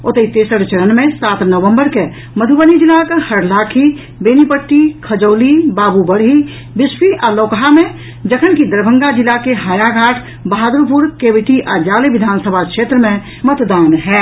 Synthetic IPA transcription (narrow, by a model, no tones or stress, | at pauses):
ʊt̪əit̪eːsəɽt͡ʃəɾənmẽsaːt̪nəʋə̃mbəɾke | məd̪ʱubənid͡ʒɪlakhəɽlaːkʰi | beːnipəʈːikʰəd͡ʒoːlibaːbubəɽɦi | bɪspiʔaːloːkəɦamẽ | d͡ʒəkʰənkid̪əɾbʱə̃ŋɡad͡ʒɪlakeɦaːjaɡʱaːʈʰ | bəɦaːd̪ɾupʊɾkeːʋɪʈiʔaːd͡ʒaːleʋɪd̪ʱaːnsəbʱakʃeːt̪ɾəmẽ | mət̪d̪aːnɦɛː